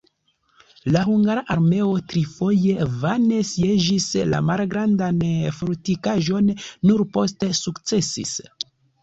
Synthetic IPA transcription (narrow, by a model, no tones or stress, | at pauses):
lahuŋɡaɾaʔaɾme̞o̞tɾifo̞je̞vane̞sie̞d͡ʒisla̰malɡɾandanfoɾtikaʒo̞nːuɾpo̞ste̞sukt͡se̞sḭs